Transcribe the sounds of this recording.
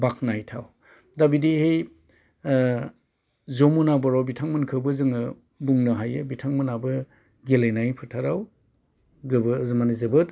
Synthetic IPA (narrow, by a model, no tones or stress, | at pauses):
bak̚najtʰaw | dabidihej | zomunabɔɾawbitʰaŋmɯnkʰɯbɯzɯŋɯ | buŋnɐɦajɯbitʰaŋmɯnabɯ | ɡelejnajpʰɯtʰaɾaw | ɡɯbɯzmanizɯbɯt